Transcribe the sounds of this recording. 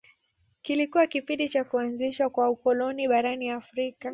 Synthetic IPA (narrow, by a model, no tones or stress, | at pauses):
kilikuwakipĩndit͡ʃakuanziʃwakwaukɔlɔniɓaɾaniafɾika